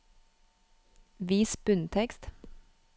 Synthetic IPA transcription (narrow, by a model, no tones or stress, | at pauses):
ʋiːsb̥ʉnt̪ʰɛkst̪